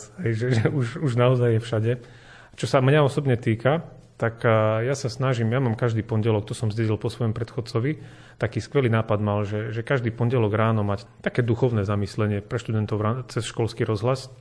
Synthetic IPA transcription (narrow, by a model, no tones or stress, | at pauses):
ɦɛjʒɛʒɛuʃuʒnaɔzajːɛfʃaɟɛ | t͡ʃɔsamɲaɔsɔbɲɛt̪iːka | t̪akjasasnaʒimjamaːmkaʒd̪iːpɔɲɟɛlɔkt̪ɔsɔmzɟɛɟilpɔsʋɔjɔmpɾɛt̪xɔt͡sɔʋi | t̪akiːskʋɛliːnaːpad̪malʒɛʒɛkaʒd̪iːpɔɲɟɛlɔɡɾaːnɔmact̪akɛːd̪uxɔʊnɛːzamislɛɲɪɛpɾɛʃt̪ud̪ɛnt̪ɔʊɾat͡sɛsʃkɔlskiɾɔzɦlas